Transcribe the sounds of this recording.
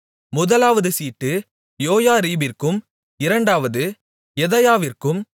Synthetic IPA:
mʊðɐlaːʋɐðɯsiːʈːɯ | joːjaːɾiːbɪrkɯm | ɪɾɐɳɖaːʋɐðɯ | ɛðɐjaːʋɪrkɯm

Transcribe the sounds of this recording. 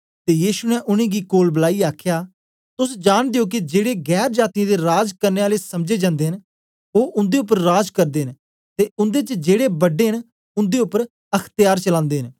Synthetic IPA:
t̪eːjiːʃunɛ̃ʔʊñẽːɡikoːlbəlaːiaːkʰjaː | t̪ʊsd͡ʒaːɽ̃d̪eoːk̬id͡ʒeːɽeɡɛːɾd͡ʒaːt̪iãd̪eɾaːd͡ʒkəɾneːaːlesɐmd͡ʒeːd͡ʒãːnd̪eːɦɪn | oːʔʊ̃nd̪eːʊpːəɾːaːd͡ʒkəɾd̪eːɦɪn | t̪eːʊ̃nd̪eːt͡ʃəd͡ʒeːɽebəɖeːɦən | ʊ̃nd̪eːʊpːəɾ | ɐkʰt̪jaːɾt͡ʃəlãːnd̪eːɦɪn

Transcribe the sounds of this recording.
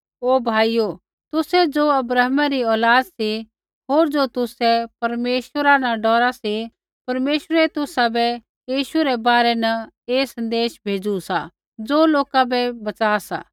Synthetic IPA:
oːbʱaːijo | t̪ʊsɛd͡zoːɐbɾəːɦmaɾiɔːlaːd̪si | ɦoːɾd͡zot̪ʊsɛpɐɾmeːʃəɾanaɖɔːɾasi | pɐɾmeːʃəɾɛt̪ʊsabɛ | jiːʃuɾɛbaːɾɛnɐ | eːsɐ̃nd̪eːʃbʱeːd͡zusa | d͡zoːloːkabɛbɐt͡saːsa̰ː

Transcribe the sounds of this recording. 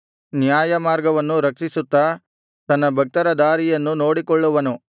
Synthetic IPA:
njaːjɐmaːɾɡɐʋɐnːuɾɐkt͡ʃisut̪ːɐ | t̪ɐnːɐbʱɐk̚t̪ɐɾɐd̪aːɾijɐnːuno̞ːɽikɔɭːuʋɐnu

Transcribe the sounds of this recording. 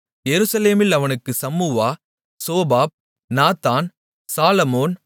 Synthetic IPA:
jɛɾɯsɐleːmɪlɐʋɐnɯkːɯsɐmːuːʋaː | soːbaːb̚ | naːt̪ːaːn | saːlɐmoːn

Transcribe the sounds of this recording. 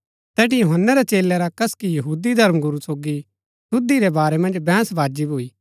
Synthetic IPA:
t̪ɛːʈijoɦənːaɾet͡ʃeːlɛɾakɐskijɐɦuːd̪id̪ʱɐɾmɡʊɾusoːɡi | sʊd̪iɾebaːɾemɐ̃nd͡ʒbɛ̃ːsʋaːd͡ʒibuːiː

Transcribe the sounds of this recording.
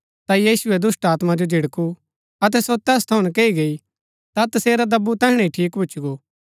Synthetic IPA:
t̪ajiːsʊɛd̪ʊsʈaːt̪mad͡ʒod͡ʒʱɪɽku | ɐt̪̬ɛsot̪ɛːst̪ʰɐʊɽ̃nkeːiɡei | t̪at̪ɐseːɾad̪ɐbut̪ɛɦɽ̃ɛ̃iʈʰiːkbʊːt͡ʃɡoː

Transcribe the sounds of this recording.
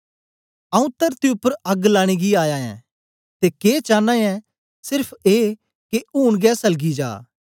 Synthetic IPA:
ɐũt̪ɐɾt̪iʊpːəɾɐɡlaːɽ̃eːɡiaːjaːjɛ̰̃ː | t̪eːkeːt͡ʃaːnãːjɛ̃ | sɪɾpʰeː | keuːɳɡɛːsɐlɡid͡ʒa̰ː

